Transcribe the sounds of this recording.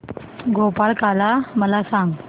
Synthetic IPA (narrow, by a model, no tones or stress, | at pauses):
ɡopalkalaməlasãŋɡ